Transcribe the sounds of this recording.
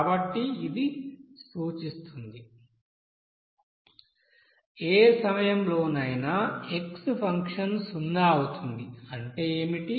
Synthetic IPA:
bɐʈːiːd̪isuːt͡ʃist̪und̪i | eːsɐmɐjɐmlo̞ːnɐjnɐekspʰɐŋkʂɐnsunːaːɐwut̪und̪iɐɳʈe̞ːeːmiʈi

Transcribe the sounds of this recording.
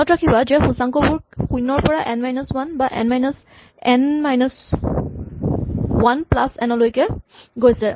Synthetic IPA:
ɔtɹakʰibazɛxusaŋkɔbʊɹxujnɔɹpɔɹaʔɛnmajnɔswanbaʔɛ̰nmajnɔs | ɛnmajnɔs | wanplasɛnɔlojkɛɡojsɛ

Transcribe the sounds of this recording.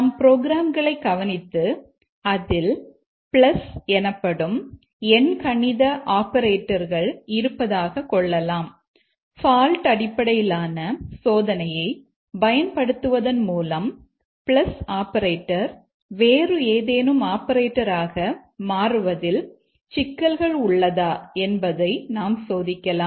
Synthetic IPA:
ɐmpɪɾoːɡɪɾaːmɡɐɭɐɪkɐʋɐnɪt̪ːɯ | ɐðɪl | pɭɐsɛnɐpːɐɽɯm | ɛnkɐɳɪðɐʔaːpɐɾeːʈːɐɾɣɐɭɪɾɯpːɐðaːɣɐkɔɭːɐlaːm | faːlʈɐɽɪpːɐɽɐjɪlaːnɐsoːðɐnɐjɐɪ | bɐjɐnpɐɽɯt̪ːɯʋɐðɐnmuːlɐm | pɭlɐsaːpɐɾeːʈːɐɾ | ʋeːrɯeːðeːnɯmaːpɐɾeːʈːɐɾaːɣɐmaːrɯʋɐðɪl | t͡ʃɪkːɐlɣɐɭʊɭːɐðaːɛnbɐðɐɪnaːmsoːðɪkːɐlaː

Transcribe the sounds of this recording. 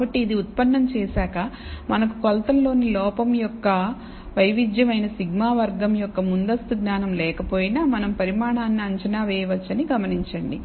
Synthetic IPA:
ɐʈːiːd̪iut̪̚pɐnːɐmt͡ʃɛːsaːkɐ | mɐnɐkukɔlt̪ɐllo̞ːnilɔːpɐmjɔkːɐ | ʋɐjʋid̪jɐmɐjnɐsiɡmaːʋɐɾɡɐmjɔkːɐmund̪ɐst̪uɡnaːnɐmlɛːkɐpo̞ːjinaːmɐnɐmpɐɾimaːɳaːnːiɐɲt͡ʃɐnaːʋɛːjɐʋɐt͡ʃːɐniɡɐmɐniɲt͡ʃɐɳɖḭ

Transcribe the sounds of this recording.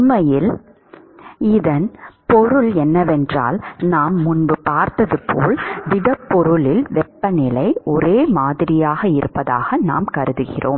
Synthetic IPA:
mːɐjɪl | ɪðɐnpɔɾɯɭɛnːɐʋɛndra̰ːlnaːmːʊnbɯpaːɾt̪ɐðɯpʰːo̰ːɭd̪ɪɽɐpːɔɾɯɭɪlʋɛpːɐnɪlɐɪɔɾeːmaːðɪɾɪjaːɣɐɪɾɯ̰pːɐðaːɣɐna̰ːmkɐɾɯðɯɣɪ̰ro̰ːm

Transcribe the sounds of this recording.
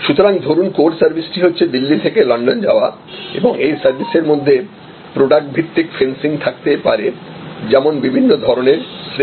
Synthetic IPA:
ʃut̪oɾaŋd̪ʱoɾunkoɖsaɾbʱisʈiɦotːɕʰed̪ilːit̪ʰekelɔɳɖond͡ʑa̰oa̰ | ḛboŋejsaɾbʱiseɾmod̪ʱːe | pɾoɖak̚ʈ̚bʱit̪ːikfensiŋt̪ʰak̚t̪epa̰ɾed͡ʑɛmonbibʱinːod̪ʱɔɾoneɾsɾ

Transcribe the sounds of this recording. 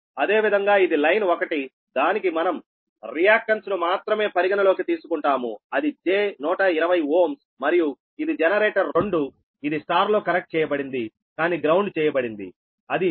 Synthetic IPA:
ɐd̪e̞ːʋid̪ʱɐŋɡaːid̪ilɐjnokɐʈi | d̪aːnikimɐnɐm | ɾijaːkʃɐnsnumaːt̪ɾɐme̞ːpɐɾiɡɐnɐlo̞ːkit̪iːsukuɳʈaːmuɐd̪id͡ʒe̞ːnɔːʈɐiɾɐʋɐjoːms | mɐɾiju | id̪id͡ʒɛnɐɾeːʈɐɾoɳɖu | id̪isʈaːɾlo̞ːkɐɾek̚ʈ̚t͡ʃɛːjɐbɐɽind̪i | kaːniːɡɾɐwɳɖt͡ʃɛːjɐbɐɽind̪ḭ | ɐd̪i

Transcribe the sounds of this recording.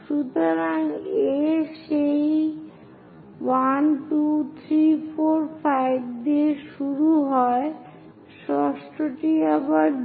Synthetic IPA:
ʃut̪oɾaŋeʃej | wanʈut̪ʰɾifoɾfʰajb̚d̪iʃuɾuɦɔe | ʃɔsʈoʈiɛbaɾ

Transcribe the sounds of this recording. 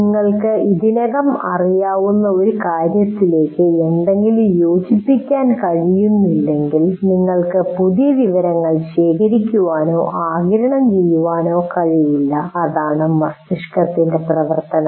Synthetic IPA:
niŋːɐɭkɨiðinɐɣɐmɐ̰rijaːʋunːɐo̞ɾukaːɾjɐt̪ːile̞ːkːɨenɖe̞ŋɡilumjo̞ːd͡ʑipːikʲːaːnkɐɻijunːilːe̞ŋɡilniŋːɐɭkɨpuðijɐʋiʋɐɾɐŋːɐɭɕeːkʰɐɾikʲːuʋaːno̞̰ːʔaːɡɐɾɐɳɐmt͡ɕejːuʋaːno̞ːkɐɻijilːɐːðaːɳɨmɐst̪iʂkɐt̪ːinde̞prɐʋɐrt̪ɐnɐ

